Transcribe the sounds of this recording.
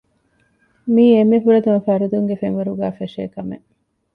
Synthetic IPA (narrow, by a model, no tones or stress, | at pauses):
miːemːefuɾɐd̪umɐfæɾud̪uŋɡefeŋʋɐɾuɡæːfeʃḛːkɐmḛ